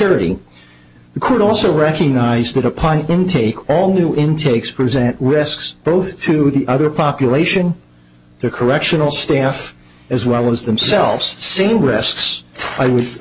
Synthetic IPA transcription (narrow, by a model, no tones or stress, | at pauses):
ɛɹɨɾḭ | ðɨkʰɔɹɾɔlˠsoʊɹɛkɨɡ̚naɪzðɨɾəpʰɑ̃nɪ̃ntʰeɪkʰɔlˠnʉʔɪ̃ntʰeɪkspʰɹ̥izɛ̃nʔɹɪsksb̥oʊθtʰɨðiʔʌðə˞pʰɑpjɨleɪʃɨ̃n | tʰɨkʰə˞ɛkʃɨnl̩ˠstæf | ɨzwɛlˠəzðɨ̃msɛlˠvz̥ðəsẽɪ̃mɹɪsksaɪwɨd